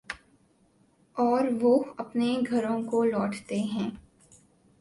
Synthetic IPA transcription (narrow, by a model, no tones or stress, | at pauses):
ɔːɾʋoɐpneɡʱɐɾõkolɔːʈt̪eɦɛ̃ː